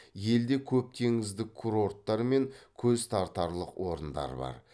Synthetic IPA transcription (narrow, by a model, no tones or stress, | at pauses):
je̞ld̪e̞kʲʰɵp̚t̪ʰe̞ŋɪzd̪ɪkʰːuɾo̞rt̪ːɑɾme̞ŋkʲʰɵzt̪ʰɑɾt̪ɑɾlˠəqwʔo̞ɾənd̪ɑ̰ɾbɑ̰ɾ